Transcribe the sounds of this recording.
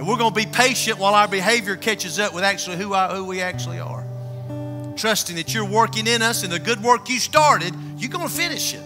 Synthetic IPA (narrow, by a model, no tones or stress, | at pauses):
ɨ̃nwɪɹɡoʊnəbipʰeɪʃɨ̃nʔwaɪlˠaʊə˞bɨɦeɪvjə˞kʰɛt͡ʃɨzʌpwəðæk̚t͡ʃʉl̩ˠihuahuwiæk̚t͡ʃul̩ˠḭə̰˞ | tʰɹ̥ʌstɪ̃ŋðɨt͡ʃə˞wɜ˞kɪ̃ŋɪ̃nʌsɨ̃nðɨɡʊd̚wɜ˞kjɨstɑɹɾɪd̚ | jɨɡõʊ̃nəfɪ̃nɨʃɪ̰t̚